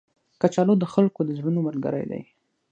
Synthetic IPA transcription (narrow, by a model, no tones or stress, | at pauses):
kat͡ʃɑlod̪əxalkod̪əzɽənoməlɡa̰ɾa̰jd̪a̰j